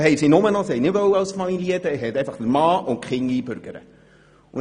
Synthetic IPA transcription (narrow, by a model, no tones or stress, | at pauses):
hɛɪsinʊmənɔsɛjnɪʋœwɑwsfɑmiliədəɦɛt̪ɛɪfɑχd̪əɾmɑːʔʊnkχɪŋiːbʏɾɡ̥əɾə̰ | ʊn